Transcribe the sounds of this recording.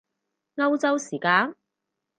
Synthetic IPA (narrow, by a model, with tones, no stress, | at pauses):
ŋɐ˥wt͡sɐ˥wsiː˨˩kaː˥n